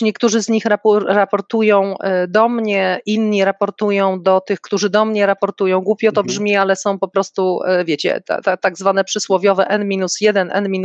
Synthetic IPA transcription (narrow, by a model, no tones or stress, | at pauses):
ɲɛkt̪uʐɘzɲixɾaɾapɔɾt̪ujɔ̃w̃d̪ɔmɲɛʔinɲiɾapɔɾt̪ujɔ̃w̃d̪ɔt̪ɘxkt̪uʐɘd̪ɔmɲɛɾapɔɾt̪ujɔ̃w̃ɡwupʲjɛt̪ɔbʐmʲialɛsɔ̃w̃pɔpɾɔst̪uvʲjet͡ɕɛ̰t̪t̪at̪aɡzvanɛpʂɘswɔvʲjɔvɛʔɛnmʲinusjɛd̪ɛnʔɛ̰nmʲin